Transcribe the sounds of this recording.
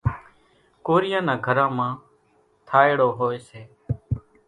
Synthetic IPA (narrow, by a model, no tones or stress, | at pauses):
koːɾɪjãːnãːɡʱəɾãːmãː | t̪ʰaːeɽoːɦoːeːseː